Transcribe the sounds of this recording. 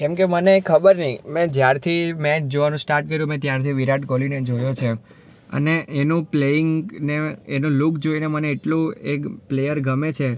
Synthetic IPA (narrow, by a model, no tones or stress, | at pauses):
kɛmkemənekʰəbəɾnəĩmɛ̃d͡ʒjaɾt̪ʰimɛt͡ʃd͡ʒoʋanũsʈaɾʈ̚kəɾjũmɛ̃t̪jaɾt̪ʰiʋiɾaʈɡolined͡ʒojot͡ʃʰe | ə̰neʔːnũpleɪŋɡneenũlʊkd͡ʒoineməneːʈlũekplejəɾɡʱəmet͡ʃʰe